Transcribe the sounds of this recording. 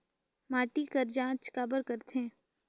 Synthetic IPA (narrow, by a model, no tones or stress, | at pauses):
maːʈikəɾd͡ʒãːt͡ʃkaːbəɾkəɾt̪ẽː